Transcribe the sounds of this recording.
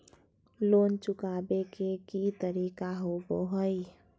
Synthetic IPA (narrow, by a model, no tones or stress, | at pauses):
lont͡ʃukabekekit̪əɾikaɦoboɦəj